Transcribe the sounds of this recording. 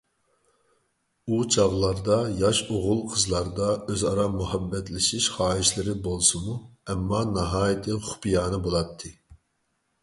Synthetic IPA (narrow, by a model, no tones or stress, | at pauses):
ut͡ʃʰɑʁlˠɑɾd̪ɑjɑʃoʁʊlˠqʰəzlˠɑɾd̪ɑøzɑɾɑmuhɛbːɛt̪lɪʃiʃχɑːɪʃlɪɾɪbolˠsɨmuɛmːɑnɑɦɑːjit̪ʰɨχʊ̥pijɑːnɨbolˠɑt̪ʰːɨ